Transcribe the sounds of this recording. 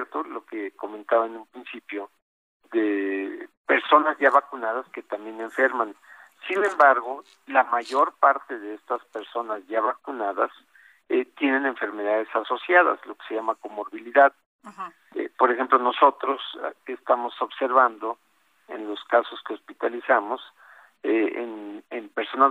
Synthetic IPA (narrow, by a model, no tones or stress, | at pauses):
eɾt̪olo̞keko̞mẽ̞nt̪aβaenũmpɾinsipjo̞ | ðe | pe̞ɾso̞nazʝaβakunaðaske̞t̪ambje̞ne̞ɱfe̞ɾman | sinẽ̞mbaɾɣo̞ | lamaʝo̞ɾpaɾt̪e̞ðe̞est̪aspe̞ɾso̞nazʝaβakunaðas | et̪je̞ne̞ne̞ɱfe̞ɾme̞ðaðe̞saso̞sjaða̰slo̞ke̥seʝamakomoɾβiliðað | ḛpo̞ɾexe̞mplo̞no̞so̞t̪ɾo̞sest̪amo̞so̞βse̞ɾβand̪o̞ | ḛnlo̞skaso̞skeo̞spit̪alisamo̞s | eḛnempeɾso̞na